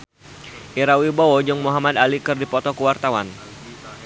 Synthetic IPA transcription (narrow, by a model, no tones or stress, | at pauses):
ʔiɾawibɔɔd͡ʒʊŋmuɦamad̪alikɨrdipɔt̪ɔkuwart̪awa̰n